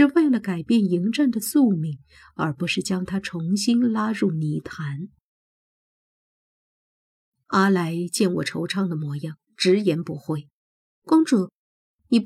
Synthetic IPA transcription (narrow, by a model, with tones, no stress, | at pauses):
ʂɻ̩˥˧we˥˩ɪlə˩ka˨˩ɪpjɛ˥˩ni˧˥ŋʈ͡ʂa˥˩nd̪ə˩su˥˧mi˨˩ŋ | ə˞˧˥pu˧˥ʂɻ̩˥˩t͡ɕjɑ˥ŋt̪ʰa˥ʈ͡ʂʰʊ˧˥ŋɕi˥nla˥ɻu˥˩ni˧˥t̪ʰa˧˥n | a˥la˧˥ɪt͡ɕjɛ˥˩nwɔ̰˨˩ʈ͡ʂʰo˧˥ʊʈ͡ʂʰɑ˥˩ŋd̪ə˩mwɔ˧˥jɑ˥˩ŋʈ͡ʂɻ̩˧˥jɛ˧˥npu˧˥xwe˥˩ɪ | kwɑ˥ŋʈ͡ʂu˨˩˦ | ni˨˩p